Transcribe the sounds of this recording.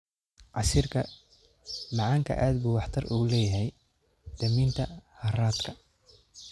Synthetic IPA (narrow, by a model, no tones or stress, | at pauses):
ʕɑsiːrkʰɐ | mɑʕɑːŋkʰɐ̰ʔaːd̪buːwɑħt̪ʰɐrʔṵːlɛːjɐɦɛj | d̪̥ɐmiːnt̪ʰɐhɐraːd̪kʰɐ